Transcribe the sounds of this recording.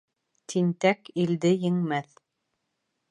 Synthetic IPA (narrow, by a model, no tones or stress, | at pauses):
t̪ʰint̪ækild̪ɘjɘ̆ŋmæθ